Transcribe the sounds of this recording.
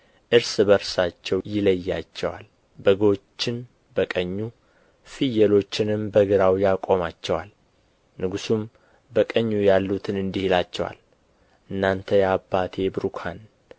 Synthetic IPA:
ʔɨɾsbəɾsat͡ʃːɛwjɪləjːa̰t͡ʃːɛwa̰l | bəɡot͡ʃːɪn | bəkʼəɲːu | fɨjːɛlo̞t͡ʃːɪnɨmbəɡɨɾawjakʼo̞mat͡ʃːɛwa̰l | nɨɡusum | bəkʼəɲːujalːut̪ʰɨnɨnd̪ihilat͡ʃːɛwa̰l | ʔɨnːant̪ʰəjabːat̪ʰebɾukʰan

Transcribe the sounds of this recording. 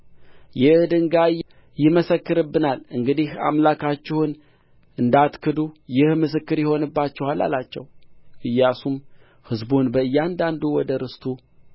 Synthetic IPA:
jɛhd̪ɨŋɡa | jɪməsəkːɨɾɨbːɨnalɨŋɡɨd̪iha̰mlakʰat͡ʃːɪhɨn | ɨnd̪at̪kʰɨd̪ujɪhmɨs̬ɨkːɨɾjɛho̞nɨbːat͡ʃːɪhalːa̰lat͡ʃːɛ̰wʔɨjːasum | hɨzbunbəɨjːand̪and̪uwɔd̪əɾɨst̪ʰu

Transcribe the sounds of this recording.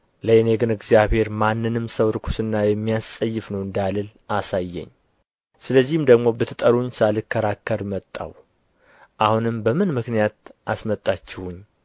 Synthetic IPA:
ləʔeneɡɨnɨɡzijaβhe̞ɾmanːɨnɨmsəwɾɨkʰu̥sɨnːajɛmːijassʼəjːɪfnəwɨnd̪alɨlʔasajːɛ̰ɲː | sɨləzːihɨmd̪əɡmo̞bɨt̪ʰːɨt̪ʼəɾuɲsalɨkʰːəɾakːəɾmət̪ʼːa̰w | ʔahunɨmbəmɨnmɨknijat̪̚ʔasmət̪ʼːat͡ʃːɪhuɲː

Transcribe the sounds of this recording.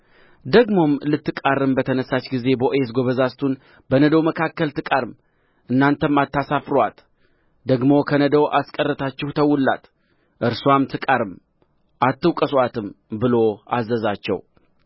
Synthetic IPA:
d̪əɡmo̞mlɨt̪ːɨkʼarɨmbət̪ʰənəsːat͡ʃɡize̞bəʔoes̬ɡo̞βəzast̪ʰun | bənəd̪əwməkʰakːəlt̪ʰɨkʼaɾɨm | ʔɨnːant̪ʰəmat̪ːasafɾwat̪ | d̪əɡmo̞kʰənəd̪əwʔaskʼərːət̪ʰat͡ʃːɪhut̪ʰəwːʊlːa̰t̪ | ʔɨɾsuamt̪ʰɨkʼaɾɨm | ʔat̪ːɨwkʼəswat̪ʰɨmbɨlo̞azːəzat͡ʃːɛ̰w

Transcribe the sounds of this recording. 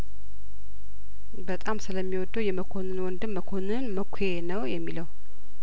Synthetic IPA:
bət̪ʼamsɨləmːiwɔd̪ːəwjɛməkʰo̞nɨnwɔnd̪ɨmːəkʰo̞nɨnməkʰʷenəwjɛmːiləw

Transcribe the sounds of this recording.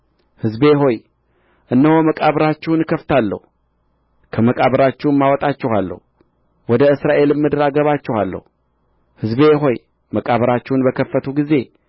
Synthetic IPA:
hɨzbe̞ɦo̞j | ʔɨnːəho̞məkʼaβɾat͡ʃːɛwnkʰəft̪ʰalːə̰hu | kʰəməkʼaβəɾat͡ʃːɛwmːawɔt̪ʼat͡ʃːɛhalːə̰hu | wɔd̪əɨsɾaʔe̞lɨmːɨd̪ɾaɡəβat͡ʃːɛhalːə̰hu | hɨzbe̞ɦo̞j | məkʼaβəɾat͡ʃːɛwunbəkʰəfːət̪ʰuɡize̞

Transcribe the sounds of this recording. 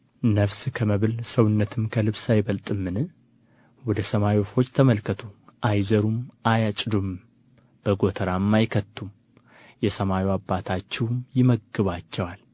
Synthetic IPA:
nəfskʰəməβɨlsəwɨnːət̪ʰɨmkʰəlɨβsajβəlt̪ʼɨmːɨnɨ | wɔd̪əsəmajofo̞t͡ʃːt̪ʰəməlkʰət̪ʰuʔajzəɾumʔajat͡ʃʼd̪om | b̥əɡo̞t̪ʰəɾamːajkʰət̪ːum | jɛsəmawiwabːat̪ʰat͡ʃːɛwmjɪməɡːɨβat͡ʃːɛwal

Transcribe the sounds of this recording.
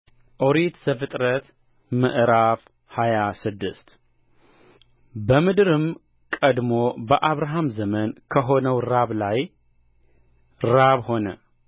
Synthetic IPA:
ʔoɾit̪zɐfɨt̪ʼɾət̪ | mɨ̰ʔɾaf | hajasɨd̪ːɨst̪ | bəmɨd̪ɾɨm | kʼəd̪mo̞bəʔaβɾaɦamzɐmənkʰəɦo̞nəwɾaβlaj | ɾɾaβho̞nə̰

